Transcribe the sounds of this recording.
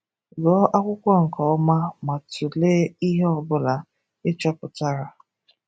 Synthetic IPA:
ɡɔ˨˦ʔa˦kʷʊ˦kʷɔ˦ŋ̩˨kɔ˨ɔ˦ma˦ma˨tu˨leː˦i˦ɦe˦ɔ˨bʊ˦la˨ | e˦t͡ʃa˦pʊ˨ta˦ɾa˨

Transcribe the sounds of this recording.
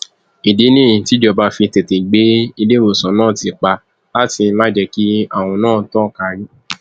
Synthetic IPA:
i˨de˨˦nĩ˦˨ĩ˨ti˦d͡ʒɔ˧ba˧fĩ˧te˨te˨ɡ͡be˨˦i˧de˦ɾo˨sɔ̃˨˦nãː˦˨ti˨˧k͡pa˧ | la˦ti˧n̩˦la˦d͡ʒɛ˧ki˦a˦˨w̃ɔ̃˧nãː˦˨˦tɔ̃˦˨ka˧ɾ̃ĩ˦

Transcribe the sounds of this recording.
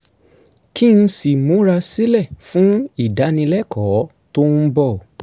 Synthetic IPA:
ki˦n̩˧si˨mũ˨˦ɾa˧si˦lɛ˦˨fũ˦i˦˨da˨˦nĩ˧lɛ˦kʰɔ˨˦ | to˦n̩˦bɔ˦˨

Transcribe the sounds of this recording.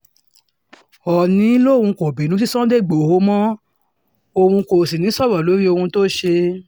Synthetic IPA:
ɔ˨nĩ˨˦lo˦˨hũ˧ko˨bĩ˨nũ˨˦t̬i˦sɔ̃˦de˦˨ɡ͡bo˨ho˦mɔ̃˦ | o˧hũ˧ko˨si˨nĩ˨˦sɔ˦˨ɾɔ˨lo˨˦ɾi˦o˧hũ˧to˦ʃe˧

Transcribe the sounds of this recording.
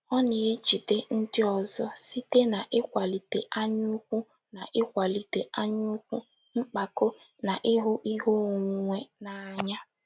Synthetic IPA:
ɔ˦ne˨e˦d͡ʒi˨de˦n̩˦dɪ˦ɔ˨zɔ˦si˦te˦na˨ʔɪ˦kʷa˨li˨te˨ʔa˦ɲʊ˦kʷu˦ | na˨ʔɪ˦kʷa˨li˨te˨ʔa˦ɲʊ˦kʷu˦ | ŋ͡m̩˦k͡pa˨ko˦ | na˨ʔɪ˦ɦʊ˦ʔi˦ɦo˦˨ŋʷ˨ŋʷe˦na˨a˨ɲa˦

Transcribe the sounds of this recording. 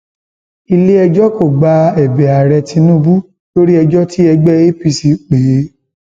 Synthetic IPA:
i˧le˦ɛ˧d͡ʒɔ˦ko˦˨ɡ͡ba˧ɛ˨bɛ˨a˨ɾɛ˧tʰĩ˧nũ˦˧bu˦ | to˦ɾi˦ɛ˧d͡ʒɔ˦ti˦ɛ˧ɡ͡bɛ˦e˦pi˧si˨˧k͡pe˨˦

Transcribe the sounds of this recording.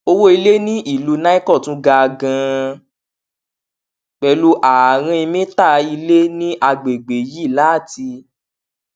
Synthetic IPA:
o˧wo˦i˧le˦nĩ˦ʔi˦˨lu˧nã˦i˦kɔ˦˨tũ˦ɡa˧ɡã˧ | k͡pɛ˨˧˦lu˦ʔa˨ɾ̃ã˧i˧mĩ˦ta˦˨i˧le˦nĩ˦ʔa˧ɡ͡be˨ɡ͡be˨ji˦˨la˨˦˨ti˧

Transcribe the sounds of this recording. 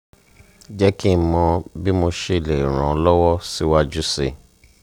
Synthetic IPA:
d͡ʒɛ˦ki˦mɔ̃˧bi˦mo˧ʃe˧˨le˨ɾ̃ã˨ɔ˧lɔ˦wɔ˦si˦wa˦d͡ʒu˦se˨

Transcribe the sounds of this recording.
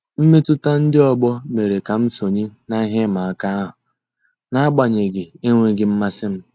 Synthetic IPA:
m̩˦me˦tʊ˦ta˦n̩˦dɪ˦ɔ˨ɡ͡bɔ˦me˨ɾe˨ka˨m̩˦so˨ɲe˦na˦ɦe˦ma˨a˨ka˦ɦʊ˨ | na˦a˦ɡ͡ba˨ɲe˨ɡɪ˨e˦ŋʷe˦ɡɪ˨m̩˦ma˦sɪ˦m̩˦

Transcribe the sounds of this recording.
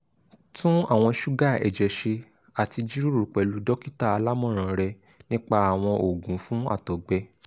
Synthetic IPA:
tũ˦a˦˨w̃ɔ̃˧ʃu˦ɡa˦˨ɛ̰˨d͡ʒɛ˨ʃe˧ | a˨ti˧d͡ʒi˦ɾu˦ɾu˨k͡pɛ˨lu˨˦dɔ˦ki˦ta˦˨a˧la˦mɔ̃˦˨ɾ̃ã˨ɾɛ˧ | nĩ˦k͡pa˧a˨w̃ɔ̃˧ʔo˨ɡũ˨˦fũ˦a̰˦˨tɔ˨ɡ͡bɛ˧

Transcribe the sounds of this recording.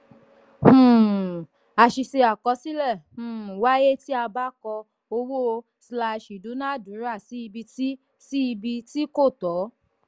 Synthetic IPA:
a˧˨ʃi˧ʃe˧a˨kɔ˨˧˦si˦lɛ˦˨h̩˦˨wa˨˦je˦ti˦a˧ba˦kɔ˧ | o˧wo˦˧ | sla˧˨ʃi˨dũ˨˦nã˦˨dũ˨˦ɾa˦˨si˨˦i˧bi˧ti˦ | si˦i˧bi˧ti˦ko˦˨tɔ˨˦

